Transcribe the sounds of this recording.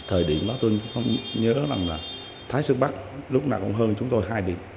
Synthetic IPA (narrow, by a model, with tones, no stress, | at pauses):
t̪ʰəː˨˩jɗḭ˧˨əmɗɔ˨˦t̪o˧jxə˧wŋ͡mɲəː˨˦za˨˩ŋlaː˨˩ | t̪ʰaː˨˦jsɨ˦˥k̚ɓa˦˥t̚lʊ˦˥k͡p̚naː˨˩kʊ̰˧˥wŋ͡mɦəː˧nt͡ɕʊ˨˦ŋ͡mt̪o˧jɦaː˧jɗḭ˧˨əm